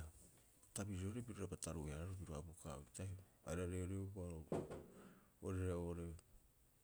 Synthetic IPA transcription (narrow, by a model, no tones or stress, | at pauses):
a | tabiɾioɾe̞piɾoɾapataɾueaɾaɾobiɾoabuka̰ita | a̰jɾaɾeoɾeubaɾo | oɾeɾaoɾe